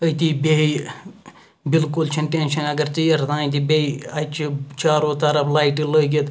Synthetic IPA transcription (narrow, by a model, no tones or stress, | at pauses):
əjt̪iːbei | bilkult͡ʃʰɐnʈenʃɐnɐɡɐɾt͡ʃijɐɾd̪ãːĩt̪ibʲeiɐt͡ʃʰit͡ʃaːɾoːt̪ɐɾɐblaːiʈiləɡʲet̪